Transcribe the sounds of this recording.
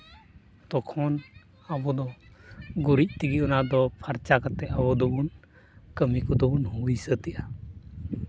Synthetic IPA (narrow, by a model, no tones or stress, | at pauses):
t̪ɔkʰɔn | abɔd̪ɔ | ɡuɾic̚ˀt̪iɡiɔnad̪ɔpʰaɾt͡ʃakat̪ɛabɔd̪ɔbun | kəmikɔd̪ɔbunhujsət̪ɛʔa